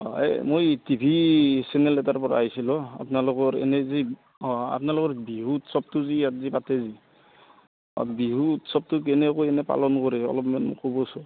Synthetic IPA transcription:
ɔɛ̰mojtibʱisɛnɛlɛtaɹpɔɹa̰ːjsilɔa̰pnalʊkɔɹɛ̰nɛzi | ɔa̰pnalʊkɔɹbiɦutsɔb̚tuzijatzipatɛzi | ɔ̰biɦutsɔb̚tukɛnɛkojɛnɛpa̰lɔnkɔɹɛɔ̰lɔpmɛnkɔbɔsɔ

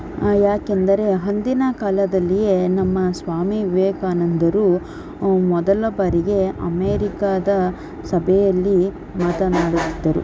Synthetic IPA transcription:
jaːke̞nd̪ɐɾe̞ɦɐnd̪inɐkalɐd̪ɐlːije̞nɐmːɐsʋaːmiʋeːkaːnɐnd̪ɐɾuː | mɔd̪ɐlɐbɐɾiɡe̞ɐ̰meːɾikaːd̪ɐ | sɐbʱɛjɐlːi | maːt̪ɐnaːɽut̪ːid̪ːɐɾṵ

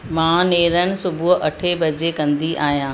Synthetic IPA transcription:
mãːneːɾənɪ̆sʊbʱʊɦʔɐʈʰebɐd͡ʑekɐ̃nd̪iʔaːɦijãː

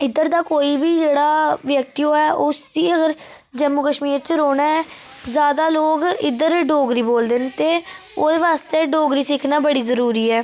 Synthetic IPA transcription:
ɪd̪əɾd̪aːkoːiːbiːd͡ʒeːɽaːʋjək̚t̪ijoːɛːʔʊsd̪iːəɡəɾ | d͡ʒəmʊkəʃmiːɾt͡ʃɾoːnaːɛː | zjaːd̪aːloːɡɪ̰d̪əɾɖoːɡɾiːboːld̪eːnt̪eː | oːd̪eːʋaːst̪eːɖoːɡɾiːsɪkʰnaːbəɽiːzəɾuːɾiːɛː

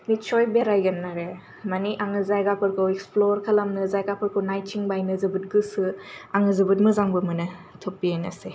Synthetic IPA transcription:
nit͡ʃojbeɾajɡɐnːaɾe | maniʔaŋɯzajɡapʰɯɾkʰɯweksploɾkʰɐlamnɯzajɡapʰɯɾkʰɯwnajt͡ʃʰiŋbajnɯzɯbut̚ɡɯsɯaŋɯzɯbut̚mɯzaŋbɯmɯnɯ | tʰopːienɐse

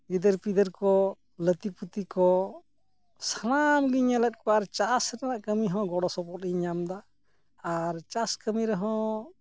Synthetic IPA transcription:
ɡid̪əɾpid̪əɾkɔ | lət̪iput̪ikɔ | sanamɡiɲəlɛt̪̚ˀkɔaɾt͡ʃasɾɛnaʔkəmiɦɔ̃ɡɔɽɔsɔpɔt̚iɲamd̪aː | ɾt͡ʃaskəmiɾɛɦɔ̃

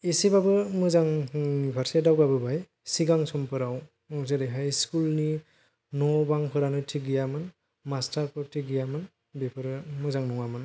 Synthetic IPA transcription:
isibabɯmɯzaŋbʰʱaɾsadawbabɯbaj | siɡaŋsɔmpʰɯɾaw | ɔzɯɾeɦajskulni | nɔbaŋpʰɯɾanɯtʰiɡijamɯn | mastaɾkʰɔtʰiɡijamɯn | bepʰɯɾɯmɯzaŋnɔŋamɯn

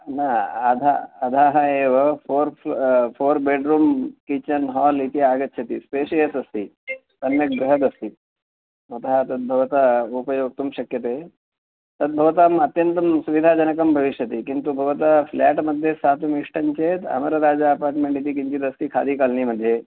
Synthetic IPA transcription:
naːd̪ʱa̰ːd̪ʱaɦaeʋəfoɾffoɾbeɖɾuːmkit͡ɕənɦɔlit̪iaɡət̪̚ɕʰet̪ḭːspeɕijəsɐst̪iː | t̪ənjək̚ɡɾəɦəd̪əst̪iː | mɐt̪əɦat̪ət̪̚bʱəʋt̪aupəjoɡ̚t̪umɕɐkjət̪e | t̪ət̪̚bʱəʋt̪amɐt̪jənt̪əmsuʋid̪ʱad͡ʑənəkəmbʱəʋiʃjət̪ekint̪ubʱəʋət̪aflæʈməd̪ʱːjesat̪umiʂʈəɲt͡ɕet̪ə̰məɾɾad͡zaəpaɾʈmeɳʈit̪̬iːkiɲt͡ɕiːd̪əst̪iːkʰa̰d̪iːkalniməd̪ʱːje

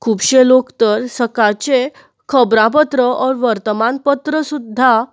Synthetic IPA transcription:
kʰuːbɕelokt̪əɾsəkat͡ɕe | kʰəbɾãp̬ət̪ɾəɔɾʋəɾt̪əmanpət̪ɾəsud̪ʱːa

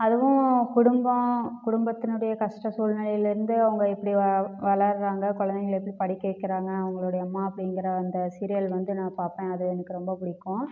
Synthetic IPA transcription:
ɐðɯʋʊ̃kʊɽʊmbɐ̃kʊɽʊmbɐt̪ːɪnɯɽɐjɐkɐʂʈɐsuːlnɪlɐjɪlɪɾɯnd̪ɯɐʋɐŋɡɐɛpːɐɽiʋɐɭɐɾɾaːŋɡɐkɔɭɐnd̪ɛɣɐɭɛpːɐɽipɐɽɪkːɐʋɛkːɪɾaːŋɡɐɐʋɐŋɡɐɭoːɽɐjɐmːaːɐpːɐɽɪŋɡɪɾɐɐnd̪ɐsɪɾɪjɐlʋɐnd̪ɯnãːpaːɾpẽːɐðɯɛnɯkːɯɾɔmbɐpʊɽɪkːʊ̃

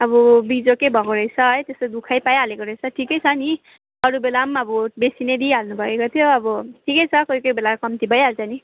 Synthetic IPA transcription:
ʌbʌbid͡zokejbʱʌkoɾʌjt͡sʰʌʌjt̪esʌd̪ukʰajpajɦalekoɾʌjt͡sʰʌʈʰikʌjt͡sʰʌni | ʌɾubelamʌbʌbesined̪iɦalnubʱʌekot̪ʰjoʌbʌʈʰikʌjt͡sʰʌkojkʌjbelakʌmt̪ibʱʌjaɾt͡sʰani

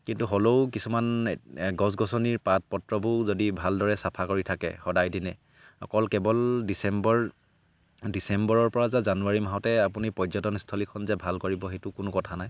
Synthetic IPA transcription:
kintuɦoloʊkisumanɡɔs̬ɡɔsɔniɹpat̚pɔtɹɔbʱuzodibʱaldɔɹɛsapʰakoɹitʰakɛ̰xɔdajdinɛ | ɔ̰kɔlkɛbɔldisɛmbɔɹ | disɛmbɔɹɔɹpɔɹazazanuaɹimaɦɔtɛapunipɔjzɔtɔnstʰɔlikʰɔnzɛbʱalkoɹibɔɦetʊkʊnʊkɔtʰanaj

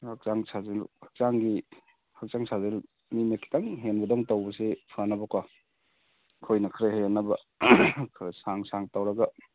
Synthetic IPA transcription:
hak̚zaŋsʰazelhak̚zaŋɡi | hak̚zaŋsazel | mimekʰi̥taŋɦenbɐdɔŋtawbɐsepʰanːɐbɐkʰwa | kʰojnɐkʰɾehenːɐbɐ | kʰɾsaŋsaŋtawɾɐɡɐ

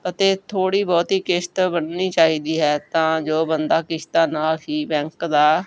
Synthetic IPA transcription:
ət̪eːt̪ʰoːɽiːbɔːt̪ɦiːkɪʃt̪bənniːt͡ʃaːɦiːd̪iːɦɛːt̪ãːd͡ʒoːbənd̪aːkɪʃt̪aːnaːlɦiːbɛ̃ːŋkd̪aː

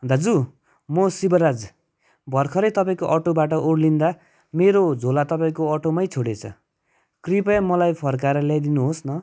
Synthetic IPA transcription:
d̪ad͡zu | mʌsibʌɾad͡z | bʱʌrkʰʌɾʌjt̪ʌpaĩkoʔʌʈobaʈʌʔoɽlind̪a | meɾod͡zʱolat̪ʌpaĩkoʌʈomʌjt͡sʰoɽet͡sʰʌ̰ | kripajmʌlajpʰʌrkaɾʌljajd̪inuɦosnʌ

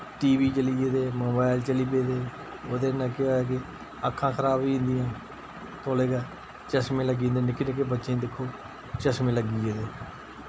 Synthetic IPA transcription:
ʈiːʋiːt͡ʃəliːeːd̪eːmoːbaːɪlt͡ʃəliːp̬eːd̪eː | oːd̪eːnãːkɪoːaːk̬ɪ | əkʰːãːkʰəɾaːbĩːnd̪ɪjãː | t̪oːleːɡaː | t͡ʃəsmẽːləɡiːnd̪eːnɪkːnɪk̬ːeːbətːʃẽːd̪ɪkʰːoː | t͡ʃəsmẽːləɡiːeːd̪eː

